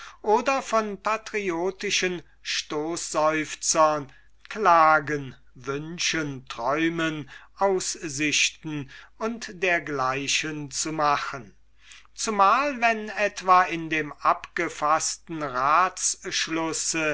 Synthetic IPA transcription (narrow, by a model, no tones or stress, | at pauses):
ʔoːdɐfɔnpatʁioːtɪʃən | ʃtoːszɔʏft͡sɐn | klaːɡən | vʏnʃəntʁ̥ɔʏmənʔaʊszɪʃtn̩ʊntdeːɐɡlaɪʃənt͡sumaχən | t͡sumaːlvɛnɛtv̥aːɪndeːmʔapɡ̥əfastn̩ʁaːsʃlʊsə